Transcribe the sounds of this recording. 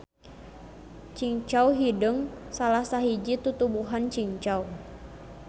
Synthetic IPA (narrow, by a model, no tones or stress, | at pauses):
t͡ʃiŋt͡ʃawɦidəŋsalahsaɦid͡ʒit̪ut̪ubuɦant͡ʃiŋt͡ʃaw